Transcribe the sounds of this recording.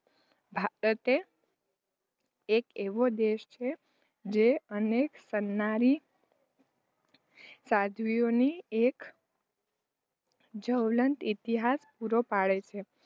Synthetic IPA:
bʱaɾət̪e | keʋod̪eʃt͡ʃʰe | d͡ʒeəneksənːaɾi | sad̪ʱʋioniek | d͡ʒəwlənt̪it̪iɦaspuɾopaɭet͡ʃʰe

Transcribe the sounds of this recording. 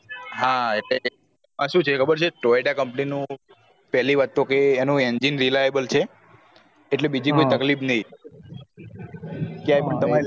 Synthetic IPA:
ɦãeʈle | mãʃũt͡ʃʰeekʰəbəɾt͡ʃʰeʈɾoiɖakəmpninũ | pɛɦliʋat̪okeːnũend͡ʒinɾilajebəlt͡ʃʰeː | ʈlebid͡ʒikoit̪əklipnəi | keaipəɳt̪əmaɾ

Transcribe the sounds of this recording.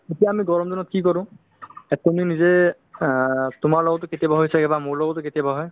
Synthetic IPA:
etijaːmiɡɔɹɔmzɔnɔt̚kikɔɹʊ̃ | ɛtuminizɛ | tʊmaɹlɔɡɔtʊketijabaɦojsakɛbamoɹlɔɡɔtʊketijabaɦɔj

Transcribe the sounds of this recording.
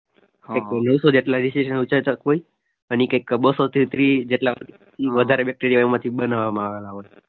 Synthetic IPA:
kəkːenəʋsod͡ʒeʈlaɾisiʃənut͡ʃat̪akoi | ənikəjkːbəsot̪ʰit̪ɾid͡ʒeʈla | iʋəd̪ʱaɾebɛk̚ʈeɾijaɛmãt̪ʰibənaʋamãaʋelaɦoj

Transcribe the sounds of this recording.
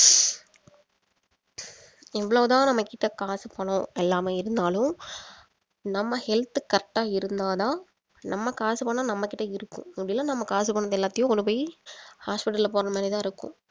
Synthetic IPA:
ɛʋːɐɭoːt̪ãːnɐmːɐkːɪʈːɐkaːsɯpɐɳõɛlːaːmɐɪɾɯnd̪aːlʊ̃m | nɐmːɐhɛlt̪ɯkɐʈːaːɪɾɯnd̪aːðaː | nɐmːɐkaːsɯpɐːɳːnːaːnɐmːɐkːɪʈːɐɪɾɯkːʊ̰̃ɐpɐɽɪlːaːnɐmːɐkaːs̬ɯpːoːɳːɐðɛlːaːt̪ːɐjʊ̃ɔlɯpɐɪhaːspɪʈːɐlɐpoːɾɐnɐmaːnit̪ãːɪɾɯkːʊ̰̃

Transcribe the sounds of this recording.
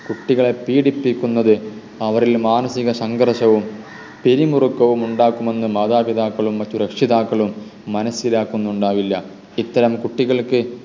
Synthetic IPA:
kuʈːiɣɐɭe̞piːɽipːikʲːunːɐðɨ | ɐʋɐɾilmaːnɐsiɣɐsɐŋɡɐrʂɐʋum | peɾimurukːɐʋumuɳɖaːkːume̞nːɨmɐːðaːpiðaːkːɐɭumːɐtːuɾɐkʂiðaːkːɐɭumː | ɐnɐsilaːkːunːuɳɖaːʋilːɐ | it̪ːɐɾɐmkuʈːiɣɐɭkɨ

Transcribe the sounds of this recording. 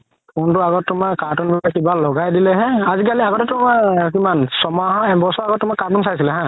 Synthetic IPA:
pʊntʊaɡɔt̚tʊmakatunbɛakibalɔɡajdilɛɦɛ̃azikaliaɡɔtɛtʊmakimansɔmaɦɔ̃ɛbɔsɔaɡɔt̚tʊmakatuns̬ajsilɛɦã

